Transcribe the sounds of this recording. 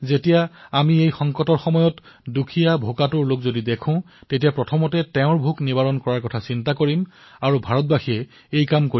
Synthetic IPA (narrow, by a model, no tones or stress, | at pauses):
zetijaamiejxɔŋkɔtɔɹxɔmɔjɔt | dukʰijabʱokatʊɹlokzodidekʰʊ̃ | tetijapɹɔtʰɔmɔtɛtɛʊ̃ɹbʱuknibaɹɔnkɔɹaɹkɔtʰasintakoɹim | aɹubʱaɹɔt̚baxiɛ | ejkamkoi